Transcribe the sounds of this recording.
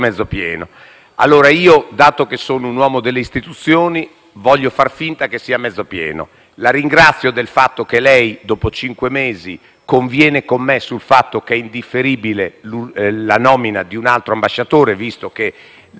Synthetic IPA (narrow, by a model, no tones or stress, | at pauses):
mɛd̪zːopjɛ̰ːno | a̰lːoːɾaiːod̪aːt̪okesːoːnounwɔːmod̪elːeist̪it̪ut̪sːjoːni | vɔʎːofarfint̪akesːiːamɛd̪zːopjɛ̰ːno̰ | laɾiŋɡɾat̪sːjod̪elfat̪ːokelɛjd̪oːpot͡ʃiŋkwemeːzi | koɱvjɛːnekomːesulfat̪ːok̟ɛind̪ifːeɾiːbileulanɔːminad̪iunalt̪ɾoambaʃːat̪oːɾevist̪oke